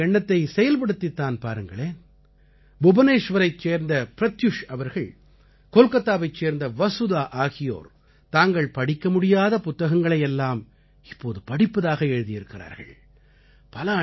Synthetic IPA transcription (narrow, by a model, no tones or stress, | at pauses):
ɛɳːɐt̪ːɐɪsɛjɐlp̬ɐɽɯt̪ːɪt̪ːaːnpaːɾɯŋɡɐɭeː | bʊbɐneːʂʋɐɾɐɪt͡ʃːeːɾnd̪ɐpɪɾɐt̪jʊʂɐʋɐɾɣɐɭ | koːlkɐt̪ːaːʋɐɪt͡ʃːeːɾnd̪ɐʋɐsʊðaːʔaːɣɪjo̰ːɾ | t̪aːŋɡɐɭpɐɽɪkːɐmʊɽɪjaːðɐpʊt̪ːɐɣɐŋɡɐɭɐjɛlːaːm | ɪpːoːðɯpɐɽɪpːɐðaːɣɐɛɻɯðɪjɪɾɯkːɪɾa̰ːɾɣɐ̰ɭ | pɐlɐ